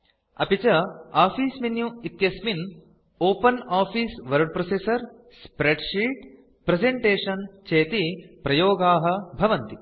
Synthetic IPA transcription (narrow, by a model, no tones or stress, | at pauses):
ɐ̰pit͡ʃɐaːfʰiːsminjuit̪jɐsmin | oːpɐnaːpʰiːsʋɐɾɖ̚pɾosesɐɾ | spɾeɖʂiːʈ | pɾezeɳʈeːʂɐnt͡ʃeːt̪ipɾɐjoːɡaːɦɐ̆bʱɐʋɐnt̪i